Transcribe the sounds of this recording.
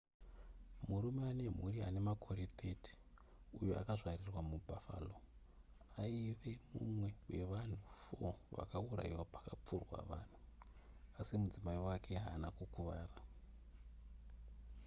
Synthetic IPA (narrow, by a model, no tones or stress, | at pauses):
murumeane̞m̤uɾia̰ne̞makʰo̞ɾetʰe̞ti̥ | ujoa̰kaʐarirwamubʱafa̰ːlo̞ | aiʋe̞mṵmwe̞we̞̰ʋan̤ufoʋa̰kaura̰iwapḁkap͡furwa̰ʋa̰ːn̤u | asimud͡zimaiwakʰe̞ɦaːnakukuʋa̰ːra